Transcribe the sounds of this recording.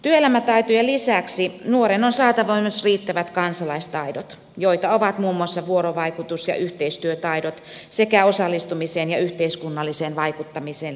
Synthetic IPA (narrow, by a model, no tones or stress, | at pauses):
t̪yøelæmæt̪ɑit̪ojɑlisæksinuoɾenonsɑːt̪ɑʋoimesriːt̪ːæʋæt̪kɑnsɑlɑist̪ɑidot̪ | joit̪ɑoʋɑt̪muːmːuɑsːɑʋuoɾoʋɑikut̪usjɑ̰ʔyht̪eist̪yøt̪ɑidot̪ | sekæosɑlːist̪umiseːnjɑyht̪eiskunːɑlːiseːnʋɑikut̪ːɑmiseːn